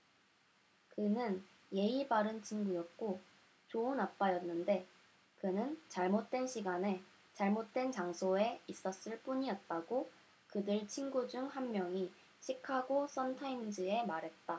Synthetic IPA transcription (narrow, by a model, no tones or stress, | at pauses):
kɯnɯn | je̞ibaɾɯnt͡ɕʰiŋɡujʌt̚k͈o | t͡ɕoɯnap̚p͈ajʌnːɯnde̞ | kɯnɯnt͡ɕaɭmot̚t͈we̞nɕʰiɡane̞ | t͡ɕaɭmot̚t͈we̞nt͡ɕaŋsʰoe̞is͈ʌs͈ɯɭp͈uɲiʌt̚t͈aɡo | kɯdɯɭt͡ɕʰinɡud͡ʑuŋhammjʌŋi | ɕʰikʰaɡos͈ʌntʰaimd͡ʑie̞maɾɦe̞t̚t͈a